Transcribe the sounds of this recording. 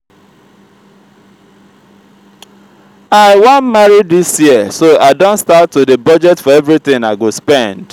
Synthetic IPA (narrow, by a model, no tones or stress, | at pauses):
aɪwãnmaɹiddisjiəsoaɪdõntstatːudebɔd͡ʒɛtfɔɛvɹit̪ɪ̃ŋaɪɡospɛ̃nd̥